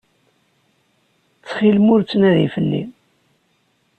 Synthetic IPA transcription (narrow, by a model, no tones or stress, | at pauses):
t͡sːχilmʊɾt͡sːnæðifəlːḭm